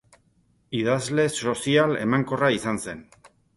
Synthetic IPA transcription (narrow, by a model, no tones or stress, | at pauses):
iðazle̞so̞siale̞̰maŋko̞raisanse̞n